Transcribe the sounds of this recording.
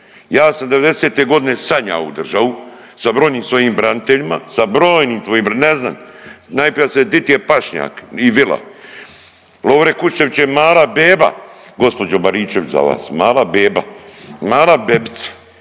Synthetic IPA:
jaːsamd̪eʋe̞d̪eseːt̪eɡo̞d̪inesaɲa̰ṵd̪r̩ʒaʋu | sabɾoːjniːmsʋo̞jiːmbɾanit̪eʎima̰sabɾo̞ːjniːmt̪ʋoːjiːmnezna̰ːm | najpɾijased̪it̪ijepaʃɲa̰ːkiʋila̰ | loːʋɾekuʃt͡ʃe̞ʋit͡ɕemaːlabeːba̰ɡo̞spo̞d͡ʒobaɾiːt͡ʃeʋit͡ɕza̰ʋa̰ːsmaːlabeːba̰maːlabebi̥t̪sḁ

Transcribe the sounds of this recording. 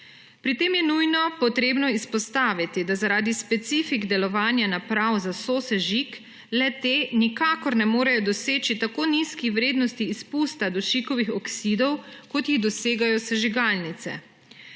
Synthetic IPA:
pɾit̪eːmjɛnujnɔpɔt̪ɾeːbnɔispɔst̪aːʋit̪id̪azaɾaːd̪ispɛt̪siːfiɡd̪ɛlɔʋaːnjanapɾawzasoːsɛʒik | lɛt̪enikaːkɔɾnɛmoːɾajɔd̪ɔseːt͡ʃit̪akoːniskiʋɾeːd̪nɔst̪iːspuːst̪ad̪ɔʃikɔʋixɔksid̪ɔwkɔt̪jiɣd̪ɔseːɡajɔsɛʒiɡaːlnit̪sɛ̰

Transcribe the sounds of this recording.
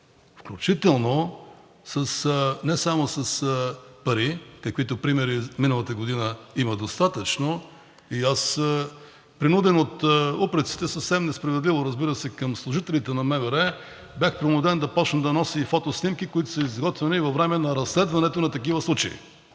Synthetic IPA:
fklʲut͡ʃit̪ɛlˠno | sɐsnɛsamosɐspɐɾikɐkvit̪ʊpɾimɛɾiminəlˠɐt̪əɡod̪inəimɐd̪ost̪at̪ət͡ʃno | ias | pɾinud̪ɛnot̪upɾɛt̪si̥t̪ɛsɐfsɛmnɛspɾɐvɛd̪livoɾɐzbiɾəsɛkɐmslˠʊʒit̪ɛlit̪ɛnɐmɛvɛɾɛ | bʲjaxpɾɪnud̪ɛnd̪ɐpɔt͡ʃnəd̪ɐnɔsifɔt̪osnimkikoit̪ʊsɐizɡɔt̪vɛnivɐvɾɛmɛnɐɾɐslɛd̪vɐnɛt̪onɐt̪ɐkivəslˠut͡ʃɐḭ

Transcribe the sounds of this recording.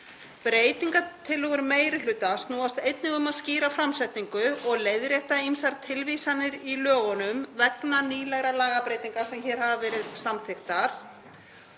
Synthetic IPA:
pɾeːjt̪iŋkat̪ʰɪlɔɣʏɾmeːjɾɪlʏːt̪ast̪nuːast̪ejt̪nɪɣʏmaðsciːɾafɾamsɛht̪niŋkʏɔɣleːjðɾjɛht̪aimsaɾt̪ʰɪlvisanːɪɾilœːɣɔnʏmvɛknaniːlɛɣɾalaːɣapɾejt̪iŋkasɛmçɛːɾ̥havavɛːɾɪðsamθɪxt̪aɾ̥

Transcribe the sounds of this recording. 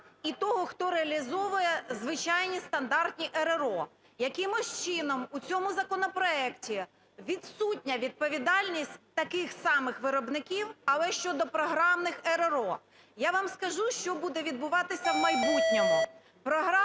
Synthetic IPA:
it̪ɔɦɔxt̪ɔɾeɐlʲizɔʋʊjɛzʋɪt͡ʃɑjnʲist̪ɐnd̪ɑrt̪ʲnʲiʔɛɾeɾɔ | jɐkɪmʊʃt͡ʃɪnɔmut͡sʲɔmʊzɐkɔnɔpɾɔɛktʲi | ʋʲid̪sutʲnʲɐʋʲid̪̚pɔʋʲid̪ɑlʲnʲisʲtʲt̪ɐkɪxsɑmɪxʋɪɾɔbnɪkʲiwɐlˠɛʃt͡ʃɔd̪ɔpɾɔɦɾɑmnɪxɛɾeɾɔ | jaʋɑmskɐʒuʃt͡ʃɔbud̪ɛʋʲid̪̚bʊʋɑt̪ɪsʲɐwmɐjbutʲnʲɔɦɔ | pɾɔɦɾɑ

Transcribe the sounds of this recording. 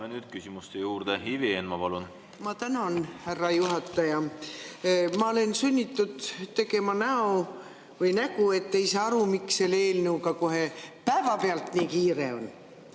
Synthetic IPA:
menyːd̪̥̚kysimust̪ejuːɾd̪̥ehivieːnmɑpɑlun | mɑt̪ænonhærːɑjuɦɑt̪ːˑɑjɑ | mɑole̞nsynʲːit̪ːud̪̥t̪e̞ɡe̞mɑnæo | vɯjnæɡue̞t̪ːe̞jsɑːɑɾumikseleːlnuukɑkoɦe̞pæevɑpeɑlt̪niːkiːɾe̞o̞̰n

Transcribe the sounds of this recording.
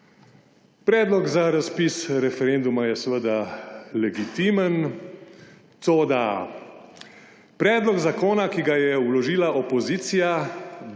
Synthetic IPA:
pɾɛːd̪lɔɡzaɾaspisɾɛfɛɾend̪umajɛsʋəd̪alɛɡit̪iːmən | t̪oːd̪a | pɾɛːd̪lɔɡzakoːnakiɡajɛwlɔʒiːlaʔɔpɔziːt̪sija

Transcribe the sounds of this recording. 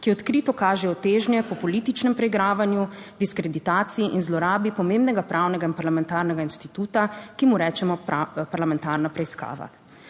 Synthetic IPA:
kiɔt̪kɾit̪ɔkaːʒɛɔt̪eːʒnjɛpɔpɔlit̪it͡ʃnɛmpɾɛiɡɾaːʋanjud̪iskɾɛd̪it̪aːt̪sijiʔinzlɔɾaːbipɔmeːmbnɛɡapɾʔaːwnɛɡainpaɾlamɛnt̪aːɾnɛɡainst̪it̪uːt̪akimuɾɛːt͡ʃɛmɔpaɾlamɛnt̪aɾnapɾɛiska̰ːʋa̰

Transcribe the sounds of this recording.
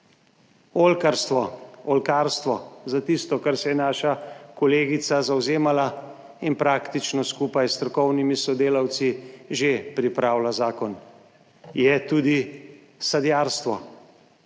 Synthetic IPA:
olkaɾst̪ʋɔɔlkaːɾst̪ʋɔzat̪ist̪ɔkaɾsɛjɛnaːʃakɔleːɡit̪sazawzeːmala | inpɾaːkt̪it͡ʃnɔskuːpajst̪ɾɔkɔwnimisɔd̪eːlawt̪siʒepɾipɾaːwlazaːkɔn | jɛt̪uːd̪i | sad̪jaːɾst̪ʋɔ

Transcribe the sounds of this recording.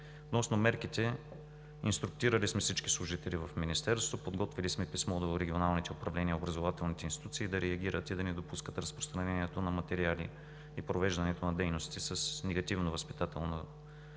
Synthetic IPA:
ot̪nɔsnomɛɾkit̪ɛ | ḭnst̪ɾʊk̚t̪iɾəlismɛfsit͡ʃki̥slˠʊʒit̪ɛlivɐfminist̪ɛɾst̪opod̪ɡɔt̪vilismɛpismɔd̪oɾɛɡʲionalˠnit̪ɛʊpɾɐvlɛniəobɾɐzovat̪ɛlˠnit̪ɛinst̪it̪ut̪siːd̪ɐɾɛɐɡ̟iɾət̪id̪ɐnɛd̪opuskət̪ɾɐspɾo̥st̪ɾɐnɛniɛt̪onɐmɐt̪ɛɾialḭ | ipɾovɛʒd̪ɐnɛt̪onɐd̪ɛjnost̪isɐsnɛɡɐt̪ivnovəspi̥t̪at̪ɛlˠno

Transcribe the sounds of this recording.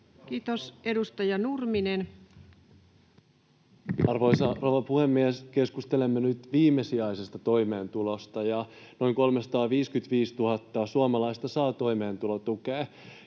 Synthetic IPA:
kiːt̪ose̞dust̪ɑjɑnurminen | ɑrʋojsɑroʋɑpuhemːieske̞skust̪elemːenyt̪ʋiːmːesiɑjsest̪ɑt̪o̞jme̞ːnt̪ulost̪ɑjɑ | no̞iŋko̞lmesɑ̥t̪ɑːʋiːskyt̪ʋiːst̪uhɑt̪ːɑsuɑmɑlɑjst̪ɑsɑːt̪o̞jmeːnt̪ulot̪ukeː

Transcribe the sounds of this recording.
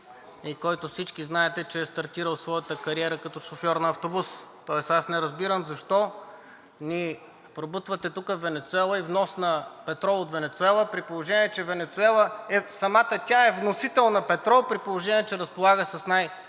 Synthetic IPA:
ikɔjt̪ʊfsit͡ʃkiznaɛt̪ɛt͡ʃɛːst̪ɐɾt̪iɾəlˠsvɔjət̪əkɐɾiɛɾəkɐt̪ɔʃofjɔɾnɐːft̪obust̪ɔɛsasnɛɾəzbiɾəmzɐʃt̪ɔ | ni | pɾobut̪vət̪ɛt̪ukəvːɛnɛt̪sʊɛlˠəivnɔsnɐpɛt̪ɾɔot̪vɛnɛt̪sʊɛlˠəpɾipolˠoʒɛniɛt͡ʃɛvɛnɛt̪sʊɛlˠəɛsɐmat̪ət̪ʲaɛvnosit̪ɛlˠnɐpɛt̪ɾɔpɾipolˠoʒɛnʲiɛt͡ʃɛɾɐspolˠaɡəsɐsnaj

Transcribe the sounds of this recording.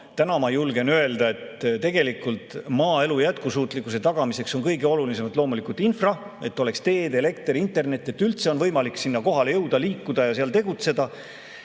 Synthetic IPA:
t̪ænɑmɑjulɡ̥e̞nøe̞ld̪ɑe̞t̪t̪e̞ɡ̥e̞likːˑult̪ˑmɑːe̞lujæt̪kusuːt̪ˑlikːˑuse̞t̪ɑɡ̥ɑmise̞kso̞nkɤjɡ̥eo̞lulise̞mɑt̪ˑlo̞ːmulikˑult̪ːˑinfrɑ | e̞t̪ːˑo̞le̞kst̪e̞ːd̪e̞le̞k̚t̪rint̪ːˑe̞rne̞t̪ːˑe̞t̪ːˑylt̪se̞o̞nvɤjmɑliksinːɑko̞ɦɑlejɤwd̪̥ɑliːkːud̪̥ɑjɑseɑlt̪e̞ɡ̥ut̪se̞d̪ɑ

